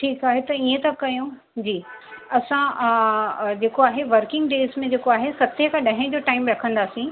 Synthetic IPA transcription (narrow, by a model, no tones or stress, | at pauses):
ʈʰiːkaːɦet̪ɐiẽt̪ɐkɐjũ | d͡ʑiːɐsã | d͡ʑeːkoaːɦeʋɐɾkɪ̃ŋɡɖeːzmẽd͡ʑeːkoaːɦesɐt̪ʰekʰãɗɐɦɪ̃d͡ʑoːʈaːɪmbɾɐkʰə̃nd̪aːsĩ